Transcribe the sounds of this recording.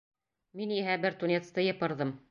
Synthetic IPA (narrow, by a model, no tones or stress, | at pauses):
miniɦæbɘɾt̪unʲet̪st̪ɤjɤ̆pɤ̆ɾðɤm